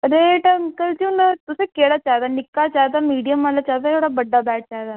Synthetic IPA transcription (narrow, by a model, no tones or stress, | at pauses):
ɾeːʈəmkəlt͡ʃũnət̪ʊsẽkeːɽaːt͡ʃaːd̪aːnɪkːat͡ʃaːd̪aːmiːɖijəmːaːlat͡ʃaːd̪aːt̪ʰoːɽaːbəɖːabɛːʈ̚t͡ʃaːd̪aː